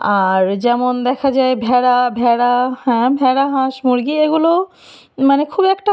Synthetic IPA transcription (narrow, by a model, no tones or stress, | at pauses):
aɾd͡ʑɛmond̪ɛkʰad͡ʑaebʱɛɽabʱɛɽahɛ̃bʱɛɽaɦãʃmuɾɡieɡulo | manekʰubɛkʈa